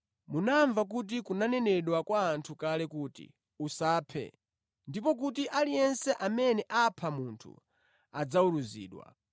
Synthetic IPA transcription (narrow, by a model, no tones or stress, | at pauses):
munaɱvak̬ut̬ikunanɛnɛɗwakwaːntʰukalɛkuːtḭ | usaːpʰɛ̰ | ndipɔk̬utiʔalijɛnsɛʔamɛnɛʔapʰamuntʰṵ | ad͡zauɾuzḭːɗwa̰